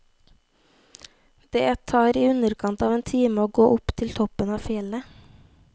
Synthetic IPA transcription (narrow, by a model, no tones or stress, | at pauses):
d̪̥ḛːt̪ʰɑːɾiːʉnəɾkʰɑnt̪ɑːʋeːnt̪ʰiːməoːɡoːʔʊpt̪ʰɪlt̪ʰɔpənɑːfɪɛlə